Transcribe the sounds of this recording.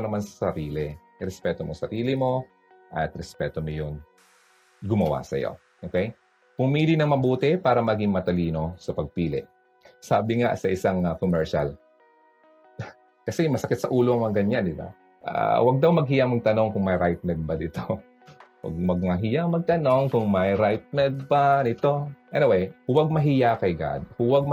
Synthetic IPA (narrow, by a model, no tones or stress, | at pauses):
nɐmansɐ̥sɐɾiːlɛ | ɾɛspɛːt̪omosɐɾiːlɪmo̞ | ʔɐt̪̚ɾɛspɛːt̪omojʊŋ | ɡʊmɐwa̰sɐ̰jo̰ | ʔokɛj | pʊmiːlinɐŋmɐbuːt̪ɛpaːɾɐmɐɡiŋmɐt̪ɐliːno̞sɐpɐɡ̚piːlɪ̰ʔ | saːbɪŋa̰sɐʔɪsaŋɐkomɛɹʃa̰l | kɐsɛjʊŋmɐsɐkɪt̪sɐʔuːloŋmɐŋɡɐɲand̪ɪba̰ | ʔa̰wɐɡ̚d̪ɐwmɐɡ̚hɪjaŋmɐɡ̚t̪ɐno̞ŋkʊŋmɐjɾajt̪̚mɛd̪̚bɐd̪ɪt̪o | wɐ̰ɡ̚mɐɡ̚mɐɦɪjamɐɡ̚t̪ɐno̞ŋkʊŋmɐjɾajt̪̚mɛd̪̚panɪt̪o̞ʔɛnɪwɛjhʊwɐɡ̚mɐɦɪjakɐɪɡa̰d̪̚hʊwaɡ̚m